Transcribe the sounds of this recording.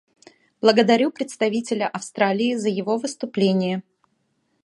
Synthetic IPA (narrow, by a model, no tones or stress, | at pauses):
b̥lˠəɡəd̪ɐɾʲupɾʲɪt̪st̪ɐvʲitʲɪlʲəʔɐfst̪ɾalʲɪːzəjɪvovɨst̪ʊplʲenʲɪjə